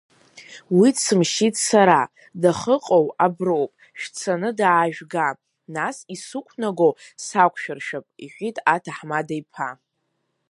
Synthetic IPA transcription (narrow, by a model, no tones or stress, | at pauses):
widsɨmʃitʼsaɾa | daχəqʼowabrowpʼ | ʃᶣt͡sʰanɨdaːʒᶣɡa | nasisukʷʰnaɡowsakʷʼʰʃᶣarʃᶣapʼiħʷᶣitʼatʰaħmadajpʰa